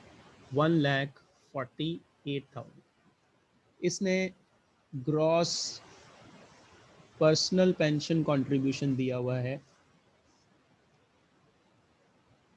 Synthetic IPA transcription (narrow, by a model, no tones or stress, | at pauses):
ʋɐ̃nlɛːk | fʰɔːɾʈi | eːʈ̚t̪ʰa̰ʊə | ɪsne | ɡɾɔːs | pəɾsnəlpɛ̃ːnʃənkɔ̃ːɳʈɾɪbjuːʃənd̪ijaɦʊaɦɛː